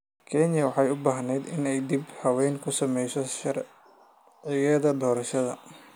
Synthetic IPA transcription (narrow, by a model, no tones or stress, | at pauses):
kʰɛnjɐwɑħɑjʊbaːɦnɛjd̪ɪnɛjd̪ibhɐwɛːŋkʰʊsɐmɛjsɔʃɐɾ | ʕɪjɐðɐd̪ɔːɾɐʃɐðɐ